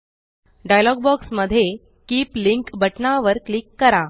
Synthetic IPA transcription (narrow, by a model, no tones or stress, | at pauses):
ɖajlɔɡbɔksməd̪ʱːje | kiːpliŋkbʱəʈnaʋəɾklikːəɾa